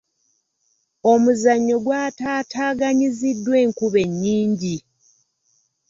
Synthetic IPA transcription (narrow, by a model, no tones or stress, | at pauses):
omuzaɲːo̞ɡwaːtaːtaːɡaɲizidːwe̞ːŋkuβe̞ɲːiːɲɟi